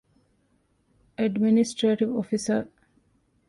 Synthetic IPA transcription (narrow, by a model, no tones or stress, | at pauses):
ʔæɖminisʈɾeːʈiʋofisəɾ